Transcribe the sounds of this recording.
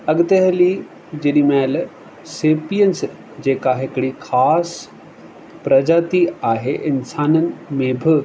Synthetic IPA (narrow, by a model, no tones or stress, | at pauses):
ɐɠt̪eɦəli | d͡ʑeɗimɛːl | seːpiəns | d͡ʑeːkaɦɪkɽixʰaːs | pɾɐd͡ʑaːt̪iaːɦeʔɪnsaːnənɪ̆mẽbʱɪ